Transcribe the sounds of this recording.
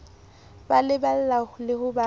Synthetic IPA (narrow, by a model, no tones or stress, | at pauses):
balɪbal̩laʊlɪhʊba